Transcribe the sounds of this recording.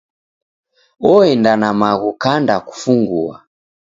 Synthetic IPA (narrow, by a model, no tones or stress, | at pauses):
ɔɛndanamaɣukandaku̥fuŋɡua̰